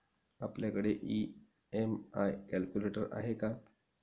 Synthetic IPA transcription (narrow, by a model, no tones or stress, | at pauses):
apljakəɽeʔi | emajkælkuleʈəɾa̰ɦeka